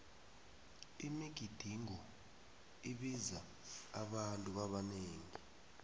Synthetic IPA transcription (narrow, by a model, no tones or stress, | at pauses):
imiɡ̥ʱid̥ʱiŋɔ | iɓizaː | ɓantʼuɓaɓaneːŋi